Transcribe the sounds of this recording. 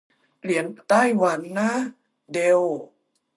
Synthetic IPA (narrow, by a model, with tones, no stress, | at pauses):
li˩˦ənt̪a˥˩jwa˩˦nːa˦˥ | de˧w